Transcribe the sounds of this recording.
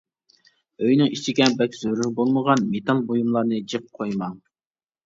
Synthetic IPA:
øjnɨŋit͡ʃʰiɡʲɛbɛkʲz̥øɾyŋbolˠməʁɑnmet̪ʰɑlˠbojumlˠɑɾnɨd͡ʒɨq̚qʰojmɑ

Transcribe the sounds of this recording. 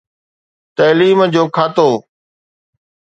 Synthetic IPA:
t̪ɐːliːmd͡ʑoːkʰaːt̪oː

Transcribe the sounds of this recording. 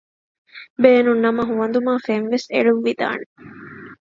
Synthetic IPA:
beːnunːɐmɐɦuʋɐnd̪umaːfenʋesḛɭuʋːid̪a̰ːne

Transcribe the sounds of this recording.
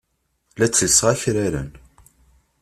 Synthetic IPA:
læt͡sːəlsʁæçɾæɾə̰n

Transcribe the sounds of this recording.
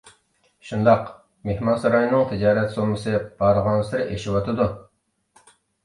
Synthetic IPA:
ʃund̪ɑq | mehmɑnsɑɾɑjnɨŋt̪ʰɪd͡ʒɑːɾɛt̪somɨsɨb̥ɑɾʁɑnsɪɾɪʔeʃiwɑt̪ʰɨd̪u

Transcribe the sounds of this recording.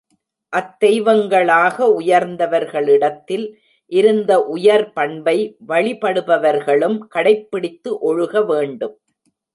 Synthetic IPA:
ʔɐt̪ːɛjʋɐŋɡɐɭaːɣɐʊjɐɾnd̪ɐʋɐɾɣɐɭɪɽɐt̪ːɪl | ʔɪɾɯnd̪ɐʔʊjɐɾpɐɳbɐɪʋɐɭɪpɐɽɯbɐʋɐɾɣɐɭɯmkɐɽɐɪpːɪɽɪt̪ːɯʔɔɻɯɣɐʋeːɳɖɯm

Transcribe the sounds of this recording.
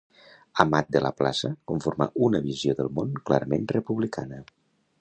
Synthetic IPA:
əmat̪̚d̪ələ̰pla̰səkuɱfoɾma̰ʔunəβizjoðəlˠmonklaɾəmenrəpuβlikʰanə

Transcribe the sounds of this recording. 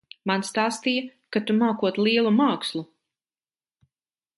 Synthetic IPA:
manst̪aːst̪ijakat̪umaːkuɔt̪lˠiɛlˠumaːkslˠu

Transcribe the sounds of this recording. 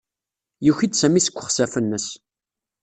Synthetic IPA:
juçid̪sæmisə̥kʷːə̥χsæfənːəs

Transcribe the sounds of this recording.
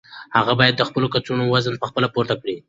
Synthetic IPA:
haɣabɑjad̪ːəxpəlokat͡sunowazənpəxpəlapoɾt̪akɽi

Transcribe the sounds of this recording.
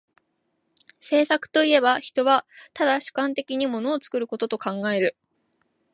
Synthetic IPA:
se̞ːsakɯ̟̥t̪o̞ie̞baçi̥t̪o̞βat̪ad̪aɕɨ̥kãnt̪e̞kʲiɲ̟imo̞no̞ːt͡sɨ̥kɯ̟ɾɯ̟ko̞t̪ot̪o̞kãŋɡae̞ɾɯ̟

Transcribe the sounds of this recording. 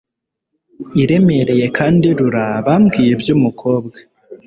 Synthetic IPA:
iɾe̞me̞ɾe̞je̞kʰaːndiɾuɾaβamɡiːjebjumukʰo̞ːbɡḁ

